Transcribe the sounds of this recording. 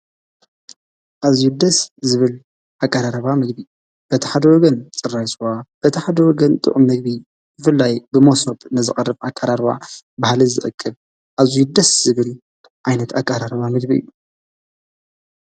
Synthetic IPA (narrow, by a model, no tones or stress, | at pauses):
ʔazijud̪ɐszɨβɨl | ʔakʼːaɾaɾɐβamɨɡbi | b̥ɐt̪ʰiħad̪ɐwɔɡɐnt͡sʼɨrːajswab̥ɐt̪ʰiħad̪ɐwɔɡɐnt̪ʼɨ̰ʔʼumːɨɡ̚bi | bɨfɨlːajbɨmosobnɨzɨχʼɐrɨbakʼaɾaɾβa̰bahlɨzɨʔɨkʼːɨβ | ʔazujud̪ɐsz̥ɨβɨl | ʕajnɐt̪ʰakʼːaɾaɾɐβamɨɡ̚biɨ̰jːu